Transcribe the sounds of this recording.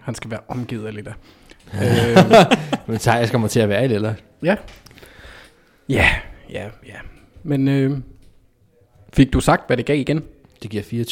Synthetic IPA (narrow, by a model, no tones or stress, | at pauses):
hænsɡ̥æʋæːɐʔɒ̽mɡ̥ḭðˠɐlid̥æ | ø | ment͡sʰɑ̈ɡaskʰɒmɐt͡sʰe̝æʋæːɐelelɐ | jæ | jæjæjæ | menø | fiɡ̥̚d̥usɑ̈ɡ̥̚d̥ʋæɾ̥e̝ɡ̥ɛ̰ːiɡ̥en | d̥e̝ɡ̥iɐ̰fiːɐt͡sʰ